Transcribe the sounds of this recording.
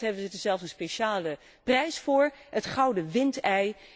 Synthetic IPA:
ɦɛbənzədəzɛlˠfsə̃nspeʃaːlə | prɛjsfʊːɹətχɑwdəʋɪntɛj

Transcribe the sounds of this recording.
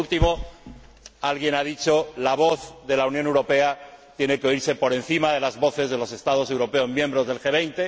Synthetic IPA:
lt̪imo̞ | alɣje̞naðit͡ʃo̞laβ̞o̞θðe̞launjonewɾope̞at̪je̞ne̞keoiɾse̞po̞ɾẽ̞nθimaðe̞lazβo̞θe̞zð̞e̞lo̞se̞st̪að̞o̞se̞wɾo̞pe̞ozmjẽ̞mbɾo̞zðe̞lxe̞β̞ejnt̪e

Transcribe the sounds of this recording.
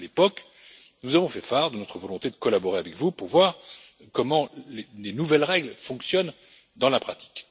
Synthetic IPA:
lepɔk | nuzavɔ̃fɛfaʁd̪ənɔt̪χəvɔlɔ̃t̪ed̪əkɔlabɔʁeavɛkvupuʁvwaʁ | kɔmɑ̃lelenuvɛlʁɛɡlfɔ̃ksjɔn | d̪ɑ̃lapχat̪i̥k

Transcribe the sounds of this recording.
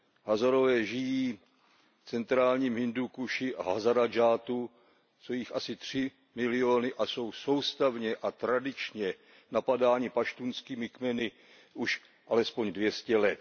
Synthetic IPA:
ɦazaɾo̞vɛːʒɪjiː | ft͡sɛnt̪ɾaːlɲiːmɦɪndukuʃɪʔaɦazaɾad͡ʒaːt̪u | sojixasɪt̪r̝̥ɪ | mɪlɪoːnɪʔaso̞wso̞wst̪avɲɛʔat̪ɾadɪt͡ʃɲɛ | napadaːɲɪpaʃt̪unskiːmɪkmɛnɪ | ʔuʃ | ʔalɛspoɲdvjɛscɛlɛt̪̚

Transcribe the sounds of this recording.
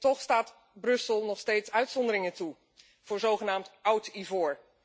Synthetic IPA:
tɔχstaːt | brɵsəlˠnɔχstejtsœɥtsɔndəɾɪŋətu | v̥ʊːɹzowχənaːmtʌwtivʊːɹ

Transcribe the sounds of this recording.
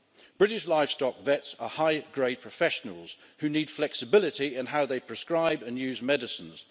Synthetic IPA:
b̥ɹɪɾɪʃlaɪv̥stɒkvɛtsəhaɪɡɹeɪpʰɹ̥əfɛʃənə̰l̩ˠz̥ | hʉniːd̥flɛksɪbɪlɪtiɪ̃nɦaʊðeɪpʰɹ̥ɨskɹaɪbə̃njʉːzmɛdɪsə̃nz̥

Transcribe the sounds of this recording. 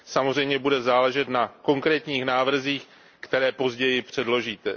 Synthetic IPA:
samo̞zr̝ɛjmɲɛbudɛzaːlɛʒɛt̪nako̞ŋkɾɛːt̪ɲiːxnaːvr̩ziːx | kt̪ɛɾɛːpo̞zɟɛjɪpr̝̥ɛdlo̞ʒiːt̪ɛ

